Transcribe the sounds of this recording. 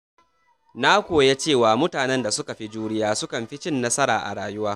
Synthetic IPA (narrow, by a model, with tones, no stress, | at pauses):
na˦kʷoː˨je˦t͡ʃeː˦˨waː˨mʊ˦taː˨nɛ˦nda˨sʊ˦ka˨ɸi˦d͡ʒuː˦nɪ˦jaː˦sʊ˦kɐ˨mɸɪ˦t͡ʃɪ˦nːɐ˦sɐ˦ɾaː˨ʔa̰˨ɽaː˨jʊ˦waː˦